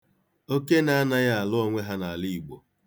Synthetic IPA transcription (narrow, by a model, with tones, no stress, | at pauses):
o˦ke˦na˦a˦na˦ja˦a˨lʊ˦o˦ŋʷe˦ɦa˦na˨a˨li˦i˨ɡ͡bo˨